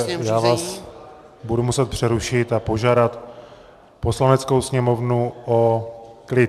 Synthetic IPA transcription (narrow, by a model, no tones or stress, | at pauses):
jaːvaːs | budumusɛt̪̚pr̥ɛɾuʃɪt̪apo̞ʒaːdat̪ | po̞slanɛt͡sko̞wsɲɛmo̞vnuʔoklɪ